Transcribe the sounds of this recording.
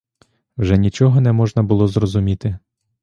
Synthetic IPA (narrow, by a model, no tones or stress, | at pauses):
wʒɛnʲit͡ʃɔɦɔnɛmɔʒnɐbʊlˠɔzrɔzʊmʲit̪ɪ